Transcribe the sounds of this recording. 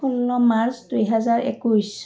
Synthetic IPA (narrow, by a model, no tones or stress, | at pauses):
unːɔmaɹsdujɦɛzaɹḛkujs